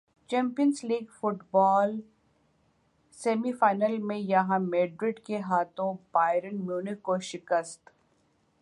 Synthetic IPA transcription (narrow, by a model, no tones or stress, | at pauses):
t͡ʃɛ̃ːmpijənsliːɡfʊʈbɔːl | seːmifaːɪnəlmẽjɐɦãmeːɖɾɪɖkeɦaːt̪õbaːɪɾənmjuːnɪkːoʃɪkəst̪